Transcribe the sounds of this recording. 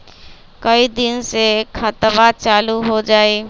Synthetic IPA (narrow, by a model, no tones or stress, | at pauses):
kɐid̪ɪnsekʰat̪ʋat͡ʃaːluɦod͡ʒaːiː